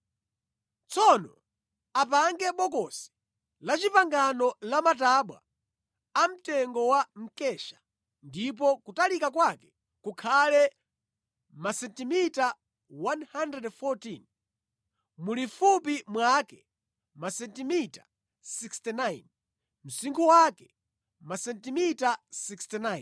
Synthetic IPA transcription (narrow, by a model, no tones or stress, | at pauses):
t͡sɔnɔ | apaŋɡɛɓɔkɔsi̥ | lat͡ʃipaŋɡanɔlamataɓwa̰ | am̩tɛŋɡɔwam̩kɛʃḁ | ndip̬ɔkutalikakwakɛ̥ | kukʰalɛ | masɛntimita | wanhandɾɛdfɔtin | mulifupimwakɛ | masɛntimitḁ | sikstɛnajn | m̩siŋkʰuwakɛ | masɛntimitasikstɛnajn